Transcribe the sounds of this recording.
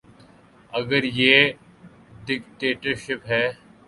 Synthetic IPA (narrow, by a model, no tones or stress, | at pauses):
ɐɡəɾjeː | ɖɪkʈeːʈəɾʃɪpɦɛː